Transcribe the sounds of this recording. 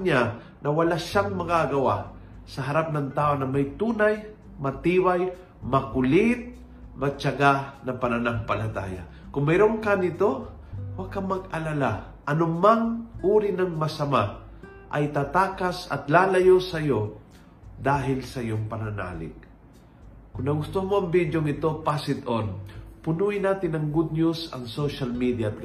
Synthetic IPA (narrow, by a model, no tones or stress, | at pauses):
ɲa | nɐwɐlaʃaŋmɐɡaɡɐwa | sɐɦɐɾap̚nɐŋt̪aːʔonɐmɐjt̪uːnaj | mɐt̪iːwaj | mɐkʊlɪt̪̚ | mɐt͡ʃɐɡanɐpɐnɐnaŋpɐlɐt̪a̰ːja̰ | kʊŋmɛɾoŋkanɪt̪o | wakamɐɡ̚ɐlala | ʔɐnʊmaŋʔuːɾɪnɐŋmɐsɐma | ʔɐjt̪at̪aːkasɐ̰t̪laːlɐjosɐjo | d̪aːɦɪlsɐjoŋpɐnɐna̰ːlɪ̰k̚ | kʊŋnɐɡʊst̪ohmoɐŋbid̪joŋɪt̪o̞pasɪt̪onpʊnuɪnaːt̪ɪnɐŋɡud̪̚ɲusɐ̰ŋsoʃalmid̪jaːt̪̚k